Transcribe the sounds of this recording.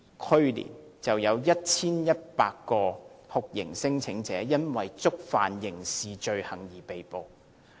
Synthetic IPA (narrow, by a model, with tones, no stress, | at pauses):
kʰɵ˥ɥlḭː˨˩nt͡sɐ˨wjɐ˨˧wjɐ˥t̚t͡sʰiː˥njɐ˥t̚paː˧kːɔː˧hʊ˨k̚jɪ̰˨˩ŋsɪ˥ŋt͡sʰɪ˨˥ŋt͡sɛː˨˥jɐ˥nwɐ˨jt͡sʊ˥k̚fa̰ː˨njɪ˨˩ŋsiː˨t͡ʃɵ˧ɥhɐ˨˩ŋjiː˨˩pe˨jpo˨w